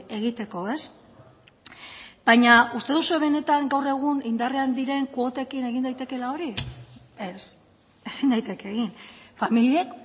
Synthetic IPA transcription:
e̞ɣ̞it̪e̞ko̞e̞s | b̥aɲaust̪e̞ðusueβe̞ne̞t̪aŋɡawre̞ɣ̞unind̪areand̪iɾe̞ŋkuot̪e̞kine̞ɣind̪ajt̪e̞ke̞lao̞ɾi | es | e̞sind̪ajt̪e̞keɣinfamiliek

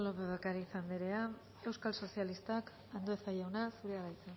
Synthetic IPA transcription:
lopeβakaɾaisand̪eɾe̞a | e̞wskalso̞sijalist̪ak | and̪oesajawnasuɾeɣaɾajt͡sen

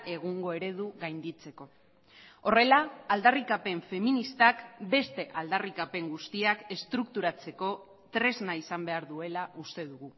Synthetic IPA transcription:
ʔe̞ɣ̞uŋɡo̞e̞ɾe̞ðuɣajnd̪it͡se̞ko̞ | o̞re̞laːld̪arikape̞ɱfe̞minist̪akbe̞st̪e̞ʔald̪arikape̞ŋɡust̪iake̞st̪ɾukt̪uɾat͡se̞ko̞ | t̪ɾe̞znaisambe̞aɾðue̞laʔust̪e̞ðuɣu

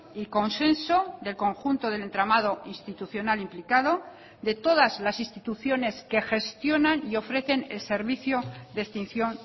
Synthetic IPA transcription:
iko̞nse̞nso̞ðe̞lko̞ŋxunt̪oð̞e̞le̞nt̪ɾamaðo̞inst̪it̪uθjo̞nalimplikaðo̞ | d̪e̞t̪o̞ðazlasinst̪it̪uθjo̞ne̞ske̞xe̞st̪jo̞nanio̞fɾe̞θe̞ne̞̰lse̞ɾβiθjod̪est̪in̟θjo̞n

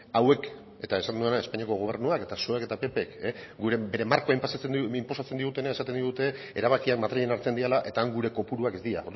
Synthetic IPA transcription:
awe̞k | e̞t̪ae̞sat̪end̪uenae̞spaɲiako̞ɣ̞o̞β̞e̞ɾrnuake̞t̪asoake̞t̪ape̞pekeɡuɾebe̞ɾe̞maɾkoajmpasimpo̞sat͡se̞nd̪iɣut̪e̞naesat̪e̞nd̪iut̪e̞ | eɾaβ̞akiakmat̪ɾiʎenaɾt͡seniɾalaʔe̞t̪aːŋɡuɾe̞ko̞puɾuakezd̪iɾa̰oɾ

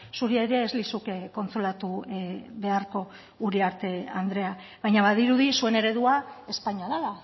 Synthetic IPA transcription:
suɾieɾeːzlisukko̞nt͡solat̪uβe̞aɾko̞ː | ɾiaɾt̪e̞and̪ɾe̞a | βajɲaβaðiɾuðisue̞ne̞ɾe̞ðuae̞spaɲaðaða

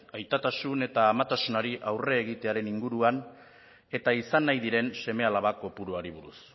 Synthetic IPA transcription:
ajt̪at̪asune̞t̪aːmat̪asunaɾiʔawre̞ːɣ̞it̪e̞aɾe̞niŋɡuɾuan | e̞t̪aisanːajðiɾe̞nse̞me̞alaβako̞puɾuaɾiβ̞uɾus

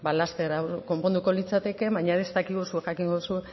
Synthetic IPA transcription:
balast̪eɾako̞mpo̞nd̪uko̞lit͡sat̪e̞ke̞βaɲaðest̪akiɣusuexakiŋɡousue

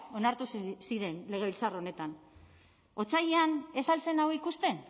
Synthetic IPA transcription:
o̞naɾt̪ussiɾe̞nle̞ɣ̞e̞βilt͡saro̞ne̞t̪an | o̞t͡sajeane̞salt͡se̞nawikust̪e̞n

